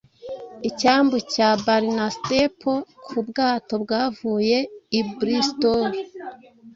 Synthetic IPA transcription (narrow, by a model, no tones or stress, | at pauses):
icaːmbucabaɾinastepʰokʰubɡaːto̞bɡaːvuːje̞ibɾistoɾ